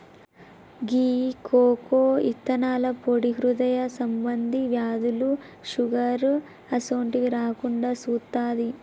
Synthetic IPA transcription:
ɡiːkʰoːkoːit̪ːɐnaːlɐpoɽiɦɾud̪ɐjɐsɐmbɐnd̪ʱiʋjaːd̪uluʃuɡɐɾ | ɐsoːɳʈikiɾaːkuɳɖaːsuːt̪ːaːd̪i

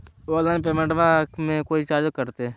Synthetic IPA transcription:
oːlaːnp̬eːmə̃ɳʈʋamẽkoːit͡ʃaːd͡ʒəkəɾt̪e

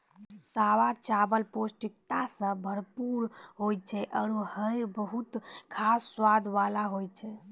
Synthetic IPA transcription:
saʋat͡ʃabəlposʈikt̪asə̃bʱəɾpuɾɦojt͡ʃʰɛʔəɾuhəjbəɦut̪kʰasːwad̪ʱʋalaɦojt͡ʃʰɛ

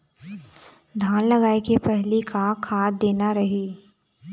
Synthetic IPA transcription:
d̪ʱaːnlɐɡaːekepɛɦlikʰakʰaːd̪eːnaɾɐɦiː

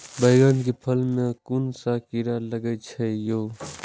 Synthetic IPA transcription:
bəɪɡankepʰəlmẽkunsakiɾaləɡət͡ʃʰɛjoː

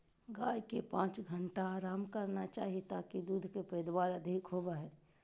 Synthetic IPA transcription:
ɡaːjkepãːt͡ʃɡʱəɳʈaaːɾaːmkəɾnat͡ʃa̰ːɦiet̪aːkid̪uːd̪ʱkepəd̪waːɾəd̪ʱikɦobaɦɛː

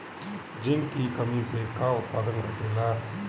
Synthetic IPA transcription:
d͡ʒiŋkikɐmiseːkːaːut̪̚paːd̪ɐŋɡɐʈːela

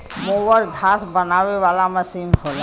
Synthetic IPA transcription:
mowəɾɡʱasbənaweʋalaməsiːnɦola

